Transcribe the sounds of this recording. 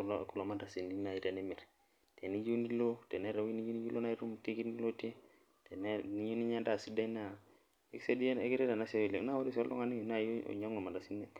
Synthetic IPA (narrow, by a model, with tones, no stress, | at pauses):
ku˨lo˨ma˦nda˨si˨ni˦na˨i˨te˨ni˦mi˨ɾ | te˨ni˦d͡ʒu˦ni˦lo˦te˨ne˦ɾe˨wi˦ni˦ju˦ni˦d͡ʒi˦lo˦na˦i˦ɾu˦m˨ti˦ki˦ni˦lo˦te˦ | te˨ne˦ni˦ɲu˦ni˦ɲa˦nda˦˨si˦da˦na˦˨ | e˨˦kse˦di˦e˦ki˦ɾe˦da˨na˦se˦i˨le˨na˦wo˦ɾi˦so˦lo̰˦ŋa˨ni˦jo˨na̰˦˨˦ɲa˦ŋo˨ma˨da˨si˦ne˨